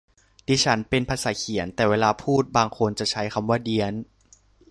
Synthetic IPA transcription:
diː˦˥˩t͡ɕʰa˦˥npe˧npʰaː˧saː˩˦kʰi˨˩˦ənt̪ɛː˨˩weː˧laː˧pʰuː˥˩t̪̚baː˧ŋkʰo˧nt͡ɕa˨˩t͡ɕʰa˦˥jkʰa˧mwaː˥˩di˧ən

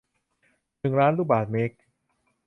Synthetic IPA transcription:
nɯ˨˩ŋɾaː˦˥nluː˥˩baː˨˩t̪̚me˦˥k̚

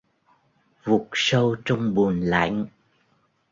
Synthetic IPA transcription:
vu˨˩k̚sə˧wt͡ɕɔ˧wŋ͡mɓu˨˩ənla̰˧˥˦jŋ

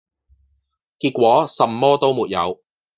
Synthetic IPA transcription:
kiː˧t̚kʷwɔː˨˥sɐ˨˩mːɔː˥t̪o˥wmuː˨t̚jɐ̰˨˧w

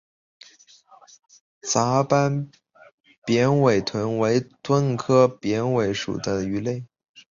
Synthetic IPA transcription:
t͡sa˧˥pa˥n | pjɛ˧˥nwe˨˩ɪt̪ʰwə˧˥nwe˧˥ɪt̪wə˥nkʰɤ˥pjɛ˧˥nwe˧˥ɪʂṵ˨˩t̪a˥˩˨y˧˥le˥˩ɪ

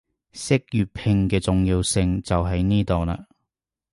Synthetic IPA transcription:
sɪ˥k̚jyː˨pʰɪ˧ŋkɛː˧t͡sʊ˨ŋjiː˧wsɪ˧ŋt͡sɐ˨wɦɐ˨jniː˥t̪o˨wnaː˧

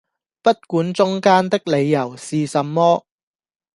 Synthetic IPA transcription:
pɐ˥t̚kuː˨˥nt͡sʊ˥ŋkaː˥nt̪ɪ˥k̚le˨˧jːɐ˨˩wsiː˨sɐ˨mːɔː˥

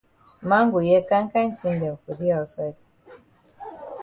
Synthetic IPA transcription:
ma˦ŋɡu˨jɛ˦ka˦ŋ˦ka˦n̩˦ti˦ndɛ˨ku˨ði˦a˨u˨sa˦˨t̚

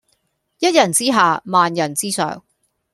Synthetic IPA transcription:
jɐ˥t̚jɐ˨˩nt͡siː˥ɦaː˨maː˨njɐ˨˩nt͡siː˥sœ̰ː˨ŋ

